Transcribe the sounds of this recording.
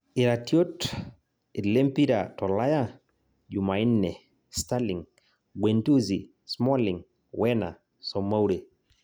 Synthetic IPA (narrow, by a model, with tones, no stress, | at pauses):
iɾatjo˦t | i˨le˦mpi˦ɾatɔ˨la˦ja | d͡ʒu˨ma˨i˦nːɛ˨ | staliŋ | ɡwentu˦zi˨ | smɔ˦liŋ | wʔɛna̰˨ | sɔ˨ma˦wɾe˨